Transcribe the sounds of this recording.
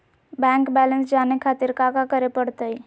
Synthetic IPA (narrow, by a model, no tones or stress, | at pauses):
bɛ̃ːŋkbɛːlənsd͡ʒaːnekʰaːt̪iɾkakakəɾepəɽt̪əi